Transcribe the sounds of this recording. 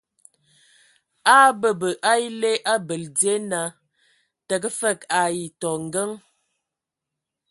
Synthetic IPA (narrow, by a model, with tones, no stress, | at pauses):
aː˦bə˦˨bə˨ʔa˦i˦le˦ʔa˦bə˨ld͡zje˦na˨˦ | tə˨k̬ə˦fə˦˨ka˨ji˨tɔ˨ŋ̩˨ɡə˦ŋ